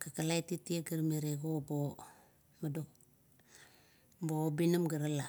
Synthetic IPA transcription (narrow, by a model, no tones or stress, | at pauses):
kakalajtitieɡaɾmeɾeɡobo | madok | bobinamɡaɾala